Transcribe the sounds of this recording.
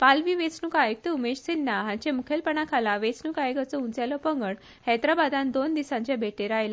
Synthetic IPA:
palʋiːʋet͡snukajk̚t̪əumeɕsinːaɦãɲt͡ɕemukʰelpəɳakʰalaʋet͡snukajɡət͡sɔũnt͡sjalɔpəŋɡəɳ | hɛt̪ɾabad̪ãnd̪ond̪isãɲt͡ɕjabʱeʈeɾajla

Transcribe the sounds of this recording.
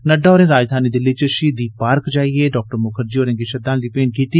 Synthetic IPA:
nəɖaːoːɾẽːɾaːd͡ʒd̪ʱaːniːd̪ɪːləiːt͡ʃəʃiːd̪iːpaːɾkd͡ʒaːiːeːɖɔːk̚ʈəɾmʊkʰəɾd͡ʒiːoːɾẽːɡiʃəd̪aːnd̪iːpeːnkiːt̪iː

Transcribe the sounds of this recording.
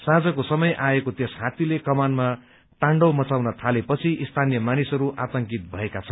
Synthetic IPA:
sad͡zʌkosʌmʌjʔaekot̪esɦat̪ilekʌmanma | ʈ̪ãɳɖʌwmʌt͡sawnʌt̪ʰalepʌt͡sʰiʔist̪ʰanijʌmanisɦʌɾuʔat̪ʌŋkit̪̚bʱʌekat͡sʰʌnn

